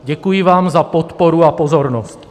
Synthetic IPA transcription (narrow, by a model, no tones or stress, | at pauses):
ɟɛkujɪvaːmzapot̪poɾuapozoɾnost̪